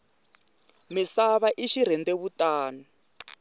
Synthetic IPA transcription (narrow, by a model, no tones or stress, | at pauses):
misaβaʔiʃiɾ̤ɛndɛβutʼaːna